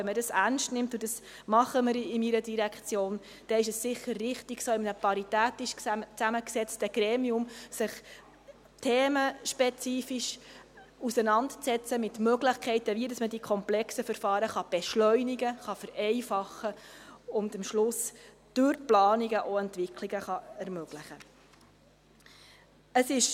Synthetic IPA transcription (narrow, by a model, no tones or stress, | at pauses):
ɛmədɑsærnʃtnɪmtʊd̥əs | mɑχəməɾɪmiɾədiɾækʰt͡sjoːn | d̥ɛɪʃəsːɪχːərːɪχtiɡ̥soːɪmnəpɑɾitæːtɪʃt͡sæməksɛt͡stəɡ̥ɾɛːmiʊmsɪχ | tʰeːməʃpɛt͡siːfiʃ | usənɑndt͡sɛt͡səmɪt̪møɡlɪχkʰɛɪtəʋidɑsmədikʰɔmplɛksəfəɾfɑːɾəχɑb̥ɛʃlœʏniɡəχɑfəɾɛɪfɑχəʊndəmʃlʊs | d̥ʉɾplɑːniɡəʔoɛntʋɪkʰliɡəχɑɛɾmøɡ̥ləχə | əsɪʃ